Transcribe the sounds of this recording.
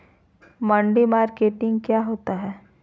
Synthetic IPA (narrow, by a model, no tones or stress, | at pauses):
mãːɳɖimaːɾkeːʈɪ̃ŋɡkjaːɦoːt̪aɦɛː